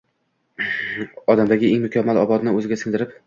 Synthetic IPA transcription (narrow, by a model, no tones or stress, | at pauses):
ɒd̪amd̪aɡʲɪeŋmʊkʲʰamːalɒbɒd̪nɪɵzɪɡʲasɪŋd̪ɪɾɪp̚